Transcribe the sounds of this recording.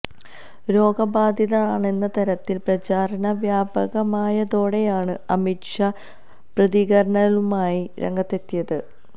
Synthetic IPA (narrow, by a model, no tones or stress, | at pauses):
ɾo̞ːɡɐbaːd̪ʱjɐðɐaːɳe̞nːɐt̪ɐɾɐt̪ːilprɐt͡ɕaːɾɐnɐʋjaːbɐɣɐmaːjɐðo̞ːɽe̞jaːɳɨɐmiʈʂɐ | prɐðiɣɐɾɐɳɐlumaːjiɾḛŋɡɐt̪ːe̞t̪ːijɐðɨ